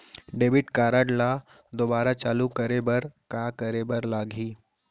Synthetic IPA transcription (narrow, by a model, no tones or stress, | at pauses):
ɖeːbɪʈkaːɾaːɖlaː | d̪oːbaːɾat͡ʃaːlukəɾebɐɾkaːkəɾebɐɾlaːɡʱiː